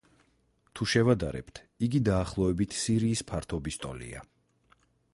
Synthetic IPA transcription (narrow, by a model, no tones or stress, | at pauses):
t̪ʰuʃɛvad̪a̰ɾɛ̰pt̪ʰ | iɡid̪aːχlˠɔɛbit̪ʰsiɾiːspʰaɾt̪ʰɔbist̪ʼɔ̰lḭa̰